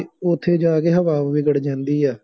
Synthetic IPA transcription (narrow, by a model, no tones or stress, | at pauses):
ʊt̪ʰːeːd͡ʒaːɡeːɦəʋaːʋʋiːɡəɽd͡ʒãːnd̪iːɛː